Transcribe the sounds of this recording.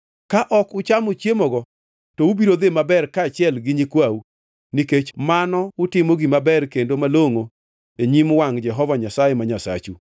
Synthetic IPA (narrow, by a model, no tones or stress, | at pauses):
kaʔɔkʊt͡ʃamot͡ʃjemɔɡɔ | tɔubiɾod̪emabɛrkaːt͡ʃɪɛlɡɪɲikwawu | niket͡ʃmanɔʊtɪmɔɡɪmabɛrkendomaloŋo | eɲimwaŋd͡ʒɛɦɔvaɲasajemaɲasa̰t͡ʃu